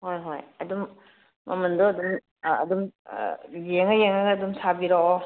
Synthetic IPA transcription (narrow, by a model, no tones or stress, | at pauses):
hojɦojɐdumː | ɐmɐndɔɐdum | ɐ̰dum̰ | jeŋajeŋaɡɐːdumsabiɾɔɔ